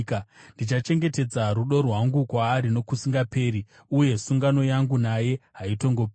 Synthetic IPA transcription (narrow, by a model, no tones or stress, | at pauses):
kndit͡ʃat͡ʃe̞ŋɡe̞te̞d͡zaruɗo̞rwaŋɡukwaːɾino̞kusiŋɡape̞ːɾi | uje̞suŋɡano̞jaŋɡunaje̞ɦaito̞ŋɡo̞p